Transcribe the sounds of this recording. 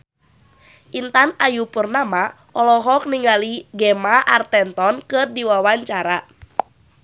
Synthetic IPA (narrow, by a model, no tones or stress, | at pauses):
ʔint̪anajupurnama | ʔɔlɔɦɔk̚niŋɡaliɡɛmaʔart̪ɛnt̪ɔnkɨrdiwawaɲt͡ʃaɾa